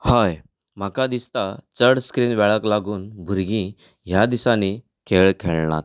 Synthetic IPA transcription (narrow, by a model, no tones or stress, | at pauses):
haj | m̤akad̪ist̪at͡səɽskɾiːnʋɛɭəklaɡuːnbʱuɾɡĩ | ɦjad̪isani | kʰeɭkʰeɭɳa̰t̪